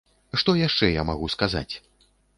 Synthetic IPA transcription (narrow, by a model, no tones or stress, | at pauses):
ʂt̪ɔjaʂt͡ʂɛjamaɣuskaza̰t͡sʲ